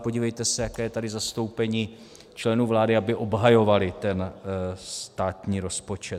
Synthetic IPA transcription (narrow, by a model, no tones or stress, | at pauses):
po̞ɟiːvɛjt̪ɛsɛjakɛːjɛt̪adɪzast̪o̞wpɛɲiː | t͡ʃlɛnuːvlaːdɪabɪʔo̞bɦajo̞valɪt̪ɛnst̪aːt̪ɲiːɾo̞spo̞t͡ʃɛ